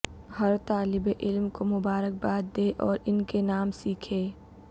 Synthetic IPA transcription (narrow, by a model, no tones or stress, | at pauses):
ɦɐɾt̪aːlɪbeʔɪlmkomʊbaːɾək̚baːd̪̚d̪eːʔɔːɾɪnkenaːmsiːkʰeː